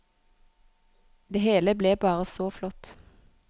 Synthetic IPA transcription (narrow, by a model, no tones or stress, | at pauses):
d̪eːheːləbleːbɑːʁəsoːflɔt̪